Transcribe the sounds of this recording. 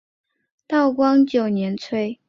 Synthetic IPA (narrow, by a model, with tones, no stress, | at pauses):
t̪ɑ˥˩ʊkwɑ˥ŋt͡ɕjo˨˩ʊnjɛ˧˥nt͡sʰwe˥ɪ